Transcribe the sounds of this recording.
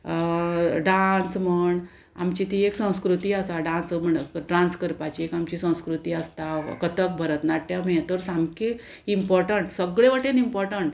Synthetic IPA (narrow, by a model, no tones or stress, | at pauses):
ɖansm̤əɳ | a̰mt͡ɕit̪ieksə̃w̃skɾut̪iːasaɖãnsm̤əɳʈɾãnskəɾpat͡ɕiekamt͡ɕisə̃w̃skɾut̪iːast̪akət̪ək̚bʱəɾət̪naʈ̪̚ːjamẽt̪əɾsamke | impɔɾʈəɳʈsəɡɭeʋəʈẽnimpɔɾʈəɳʈ